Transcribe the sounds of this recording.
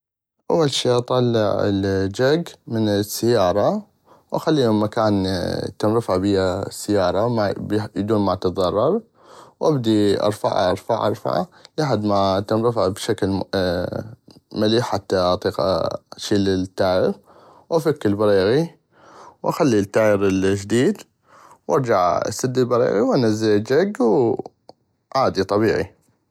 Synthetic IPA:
ʔa̰wːalʃiːʔɑt̪ˤɑlːɪʕɪ̰ld͡ʒaɡmɪnɪsːajːɑːɾˤɑ | wʔaxalːiːɪmːakaːnt̪ɪmɾɪfaʕbijasːɪjːɑːɾˤɑmabjd̪uːnmat̪ɑt̪ˤðˤɑrˤːɑɾˤ | wʔabd̪iʔɑ̰ɾˤfa̰ʕa̰ʔɑ̰ɾˤfa̰ʕʔɑ̰ɾˤfa̰ʕa̰lʔaħad̪mat̪ɪmɾɪfʕbʃakl | maliːħħat̪ːaʔɑt̪ˤiːqa̰ʃiːlɪt̪ːaːjəɾ | wʔafakːɪlbɑɾiːɣi | wʔaxalːit̪ːaːjəɾɪld͡ʒd̪iːd̪ | wʔɑɾˤd͡ʒaʕa̰sad̪ːilbɑɾḭːɣiwʔanazːad͡ʒaɡw | ʕaːd̪it̪ˤɑbiːʕḭ

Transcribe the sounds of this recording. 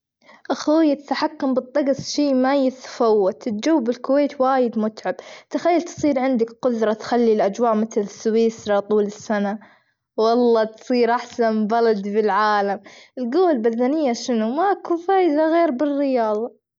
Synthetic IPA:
ʔaxjːat̪ḁt̪aħakːʊmbɨt̪ˤːɑɡsˤʃiːmajɪt̪ḁfawːat̪ɪt̪d͡ʒawːbɪlkʊweːt̪waːjɪd̪mʊt̪ʕabt̪ɪxajːalt̪sˤiːɾʕɪnd̪ɪkqʊd̪ɾˤɑt̪xalːilʔad͡ʒwaːʔmɪθlɪsːwiːsɾɑt̪ˤuːlɪsːana | wɑlˤːɑːt̪sˤiːɾʔaħsanbɑlad̪bɪlʕaːlamɪlɡuːwalbaðːanɪjːaʃɪnumaʔkuːnfaːjɪzaɣeːɾbɪrːɪjɑːðˤɑ

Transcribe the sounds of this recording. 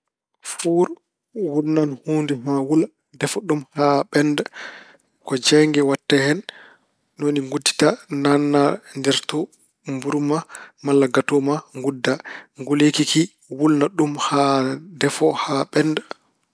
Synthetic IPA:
fuɾ | wulnanhuːndɛmawul | dɛfɔɗumhaɓɛnd | kɔd͡ʒɛŋɡɛwatːɛhɛn | noniŋɡudːi̥tananːandɛɾtɔ | mbuɾmamalːaɡatɔmaŋɡudːaŋɡulekiki | wulnaɗumhadɛfɔhaɓɛnd

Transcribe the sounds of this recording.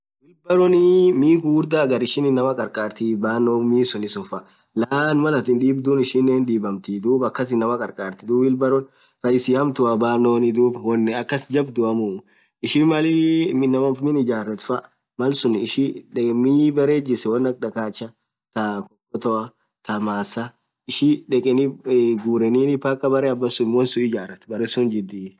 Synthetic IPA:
wɪlbɐɾɔnɪmiːɡuːɾd̪aːɡɐɾɪʃɪnɪnːɐmɐkʼɐɾkʼaːɾt̪ibaːnːoːmiːsʊnɪsʊnfɐ | laːnmɐlɐt̪ɪnd̪iːbd̪ʊnɪʃɪnːeːnd̪iːbɐmt̪id̪uːbɐkːɐs̬ɪnːɐmɐkʼɐɾkʼaːɾt̪ɪd̪uːbɪlbɐɾɔn | ɾɐjɪsɪhɐmt̪ʊɐbaːnːoːnɪd̪uːbwɔnːɐkːɐsd͡ʒɐbd̪ʊɐmʊ | ɪʃɪmɐlimɪnɐmɐmɪnɪd͡ʒaːrːɐt̪fɐʔ | mɐlsʊnɪʃiᶑɛmɪbɐɾeːd͡ʒɪsɛwɐnːɐk̚ʼᶑɐkaːt͡ʃːɐ | t̪ɐkɔkʼːɔt̪ɔʔɐ | t̪ɐmaːsɐ | ɪʃɪᶑɛkʼɛnɪɡuːɾɛniːnɪpakʼɐbɐɾɛɐbːɐsʊnwɔnsʊɪd͡ʒaːɾɐt̪bɐɾɛsʊnd͡ʒɪd̪ːiː

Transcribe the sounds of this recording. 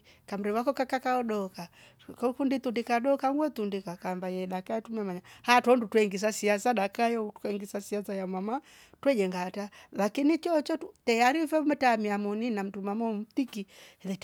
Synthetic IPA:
kam̩ɾɛwakɔkakakaɔɗɔka | kɔkunditundikaɗɔkaŋɡwɛt̪undikakambajɛɗakaɛtumiamaɲahatɔndutwɛŋɡis̬asiasaɗakajɔtu̥kɛŋɡisasiasajamwama | twɛd͡ʒɛŋɡatalakinit͡ʃɔt͡ʃɔtutɛjaɾifɛmɛtamiamɔninam̩tumamɔm̩tikiɛðɛt

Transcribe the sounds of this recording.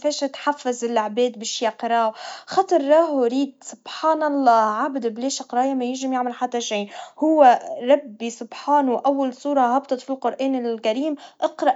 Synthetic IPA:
feːʃat̪ħafːazɪlaʕbeːd̪bɪʃjaqɾˤɑːwxɑt̪ˤɨɾˤːɑːhuɾiːd̪̚sʊb̥ħaːnɑlˤːɑːʕabɪd̪ɪbleːʃɪqɾˤɑːjamajɪʒɪmjaʕmalħat̪ːaʃiːhʊwːeɾˤɑbːisʊbħaːnuʔawːalsˤuːɾˤɑhɑbt̪ˤɨt̪filqʊɾʔeːnɪlkaɾiːmʔɑqɾɑʔ

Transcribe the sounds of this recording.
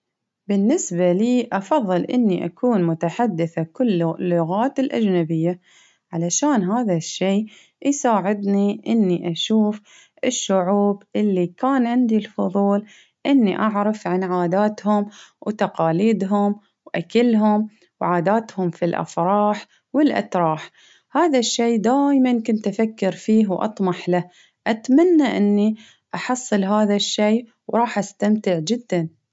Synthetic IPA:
bɪnːɪsbaliːʔɑfɑðˤːɨlʔɪnːiʔakʰuːnmʊt̪aħad̪ːɪθakʊlːlːʊɣaːt̪ɪlʔa̰d͡ʒnabɪjːa | ʕalaʃaːnɦaːðaʃːeː | jsaːʕɪd̪niʔɪnːiʔaʃuːf | ʔɪʃːʊʕuːbʔɪlːikaːnʕɪnd̪ilfʊðˤuːl | ʔɪnːiʔaʕɾɑfʕanʕaːd̪aːt̪hʊmwt̪ɑqɑːliːd̪ɦʊm | wʔakalɦʊm | wʕaːd̪aːt̪hʊmfilʔa̰fɾˤɑːħ | wɪlʔa̰t̪ɾˤɑːħ | haːðaʃːeːd̪aːjmankʊnt̪ʔafakːɪɾfiːɦwʔɑ̰t̪ˤmɑħla | ʔat̪manːaʔɪnːi | ʔɑħɑsˤːɨlɦaːðaʃːeː | wɾˤɑːħʔast̪amt̪ɪʕd͡ʒɪd̪ːan

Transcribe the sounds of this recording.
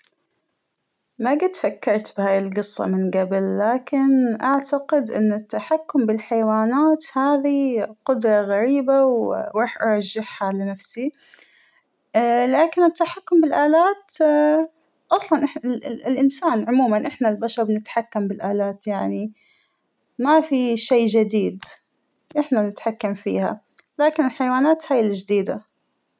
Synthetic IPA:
maɡɪt̪fakːɑɾˤt̪bhaːjɪlɡɨsˤːɑ̰mɪnɡabɪlːaːkɪnʔaʕt̪aqɪd̪ʔɪ̰nːɪt̪ːaħakːʊmbɪlħajwaːnaːt̪haːðiqʊd̪ɾˤɑɣaɾiːbawɾˤɑːħʔɑɾˤɑʒːɪħhalɪnafsi | laːkɪnɪt̪ːaħakːʊmbɪlʔaːlaːt̪ | ʔɑsˤlɑnʔɪɪlʔɪnsaːnʕʊmuːmanʔɪħnalbaʃɑɾˤbɪnɪt̪ħakːambɪlʔaːlaːt̪jaʕni | mafiʃejːd͡ʒɪd̪iːd̪ | ʔɪħnanɪt̪ħakːamfḭːha̰ | laːkɪnɪlħajwaːnaːt̪haːjɪlɪd͡ʒd̪iːd̪a

